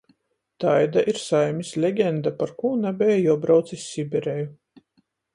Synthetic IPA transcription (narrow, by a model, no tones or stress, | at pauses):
t̪ajd̪aʔiɾsajmʲislʲeɡʲɛnd̪apaɾkuːnabʲɛjajuɔbɾawt̪sisʲːibʲɛɾeju